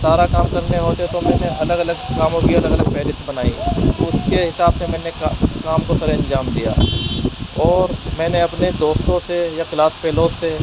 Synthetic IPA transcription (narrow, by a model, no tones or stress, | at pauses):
saːɾakaːmkɐɾneɦoːt̪et̪omɛ̃ːneʔɐləɡɐləɡkaːmõkiɐləɡələɡ̚pɛːlɪst̪bɐnaːit̪ʊskeɦɪsaːbsemɛ̃ːnekaːmkosaɾeɐ̃ɲd͡ʒaːmd̪ija̰ː | ɔːɾmɛ̃ːneɐpned̪oːst̪õsejakɪlaːspeːloːsːe